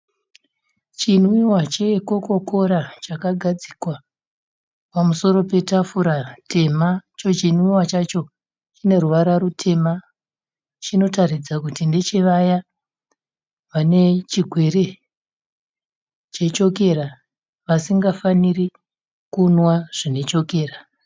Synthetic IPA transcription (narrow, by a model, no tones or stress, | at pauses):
t͡ʃinwiwat͡ʃe̞ko̞ko̞kʰo̞ɾat͡ʃakaɡʱad͡zikwa | pamuso̞ro̞pe̞tafuɾatʰe̞mat͡ʃo̞t͡ʃin̤wiwat͡ʃat͡ʃo̞ | t͡ʃine̞ruʋaɾarutʰe̞ma | t͡ʃino̞tarid͡zakutinde̞t͡ʃe̞ʋaja | ʋane̞t͡ʃiɡʱwe̞ɾe̞ | t͡ʃe̞t͡ʃo̞ke̞ɾa | ʋasiŋɡafaniri | kunwaʐ̥ine̞t͡ʃo̞ke̞ːra